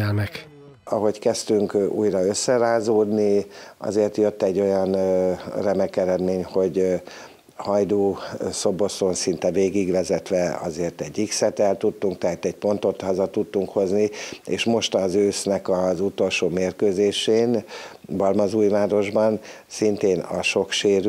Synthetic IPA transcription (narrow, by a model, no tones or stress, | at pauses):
ɛlmɛk | ɒɦo̞ckɛst̪yŋkṵːjɾɒø̞sːɛɾaːzoːd̪niɒ̰zeːrt̪jø̞t̪ːɛɟːo̞jɒnrɛmɛkɛɾɛd̪meːɲho̞ɟ | hɒjd̪oːso̞bo̞sonsint̪ɛveːɡiɡʋɛzɛt̪ʋɛɒ̰zeːrt̪ɛɟːiksɛt̪ɛlt̪ut̪ːuŋk̚t̪ɛɦaːt̪ɛɟ̚po̞nt̪o̞t̪hɒzɒt̪ut̪ːuŋkho̞zniḛːʃmo̞ʃt̪ɒzøːsnɛkɒzut̪o̞lʃoːmeːrkøːzeːʃeːnbɒlmɒzuːjvaːɾo̞ʒbɒn | sint̪eːnɒ̰ʃo̞kʃeːɾ